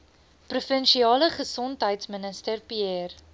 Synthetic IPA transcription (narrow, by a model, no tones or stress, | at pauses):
prufənʃiɑːləχəsɔntɦəjtsmənəstərpiɛr